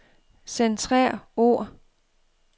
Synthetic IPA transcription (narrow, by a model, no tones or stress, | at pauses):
sent͡sʰʁɛ̰ːɐoɐ̰